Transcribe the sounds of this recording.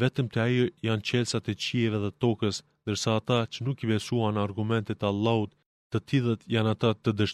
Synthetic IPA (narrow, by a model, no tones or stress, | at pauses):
vɛt̪əmt̪ɛaijant͡ɕɛlʲsat̪ɛt͡ɕiɛvɛðɛt̪ɔkəs | nd̪əɾsaːt̪at͡ʃənukibɛsuanaɾɡumɛnt̪ɛt̪alˠːaut̪ː | ət̪ʰilˠət̪janat̪at̪əd̪əʃ